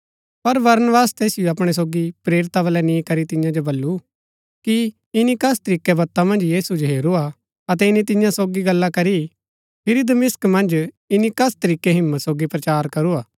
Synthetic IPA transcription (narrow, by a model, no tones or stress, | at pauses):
pɐɾʋɐɾnəʋaːst̪ɛːsɪjoɐpɽ̃ɛs̬oːɡipɾeːɾɪt̪aʋɐlɛnĩːkɐɾit̪ɪ̃jãd͡ʒobɐlːu | ki | ɪnikɐst̪ɐɾiːkːɛbɐt̪ːamɐ̃nd͡ʒjiːsud͡ʒoɦeːɾua | ɐt̪̬ɛɪnit̪̬ɪ̃jãsoːɡiɡɐlːakɐɾi | pʰɪɾid̪ɐmɪskmɐ̃nd͡ʒ | ɪnikɐst̪ɐɾiːkːeɦɪmːət̪soːɡipɾɐt͡ʃaːɾkɐɾuaː